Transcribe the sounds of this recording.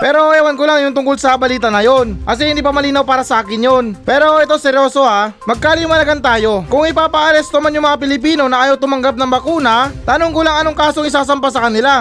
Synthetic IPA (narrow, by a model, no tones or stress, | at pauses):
pɛːɾo̞ɛwankolaŋjʊnt̪ʊŋkolsɐbɐliːt̪ɐnɐjo̞nkɐs̬ɛhɪnd̪iːpɐmɐliːnɐwpaːɾɐsɐʔaːkɪnjonpɛːɾo̞ʔɛt̪osɛɾjo̞ːso̞amɐɡ̚kaːlɪjʊŋmɐlɐɡant̪aːjo̞kʊŋɪpaːpɐʔɐɾɛst̪omanjʊŋmɐŋapɪlɪpiːno̞nɐʔaːjowt̪ʊmɐŋɡap̚nɐŋbɐkuːnɐt̪aːnoŋkolaŋɐnoŋkaːsoŋɪsaːsɐmpasɐkɐnɪla